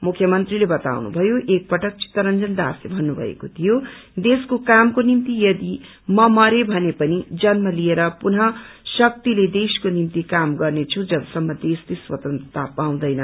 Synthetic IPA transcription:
mukʰːjʌmʌnt̪rilebʌt̪a̰wnṵbʱʌjoʔek̚pʌʈʌk̚t͡si̥t̪ːʌɾʌnd͡zʌnd̪a̰slebʱʌnːubʱʌ̰ḛkot̪ʰijod̪eskokamkonimt̪ijʌd̪i | mʌmʌɾebʱʌnepʌnid͡zʌnmʌlijeɾʌpunʌ | sʌk̚t̪iled̪eskonimt̪ikamɡʌrnet͡sʰud͡zʌbʌsʌmːʌd̪estiswʌ̰t̪ʌnt̪rʌt̪ʰapaw̃d̪ʌjnʌ

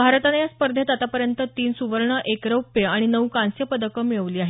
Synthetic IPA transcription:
bʱaɾət̪anjaspəɾd̪ʱet̪at̪apəɾjənt̪ət̪iːnsuʋəɾɳəʔekɾəwpeaɽ̃inəwkãnsjəpəd̪əkəmiɭəʋliːaɦe

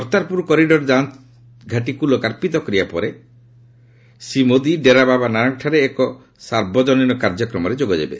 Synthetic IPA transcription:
ɔɾt̪aɾpuɾkɔɾiɖɔɾd͡ʒan | ɡʱaʈikulokaɾpit̪̬ɔkɔɾijapɔ̰ɾe | simod̪iɖeɾababanaɾɔŋʈʰaɾeːkɔ | saɾbɔd͡ʒɔninɔkaɾd͡ʒɔkɾɔmɔɾed͡ʒoɡɔd͡ʒḛbḛ

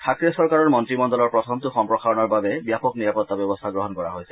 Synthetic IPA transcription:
tʰakɹiɔsɔɹkaɹɔɹmɔntɹimɔndɔlɔɹpɹɔtʰɔmtʊxɔmpɹɔxaɹɔnɔɹbabɛbjapɔkniɹapɔt̪ːabɔbɔst̪ʰaɡɹɔɦɔnkɔɹa̰ɦojsɛ

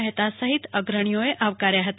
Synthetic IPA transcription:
ɦət̪asəɦit̪əɡɾəɳ̃ijoeʔaʋkaɾjaɦət̪

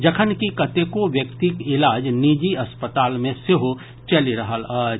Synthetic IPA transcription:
d͡ʒɐkʰənkikɐt̪ekoʋjəkt̪ikɪlaːd͡ʒniːd͡ʒiɐspət̪aːlmẽseɦo | t͡ʃɐliɾɐɦəl

